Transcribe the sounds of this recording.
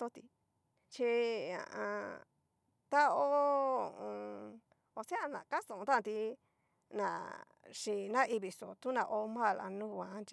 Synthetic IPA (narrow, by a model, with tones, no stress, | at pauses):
so˦t̪i˧ | t͡ʃi˧ã̰˨ʔã˧ | t̪a˦o˦o˦˨˧õ˧ | o˧sẽ˦a˧˨nã̰˨ka˦st̪õ˨õ˧t̪ã˦˧t̪i˧ | nã̰˨ | ʂi˧nã˦ʔi˧βi˨so˨t̪u˦nã˧ʔo˧mã˦˨la̰˧nũ˦˧wã˧˦nt͡ʃi˧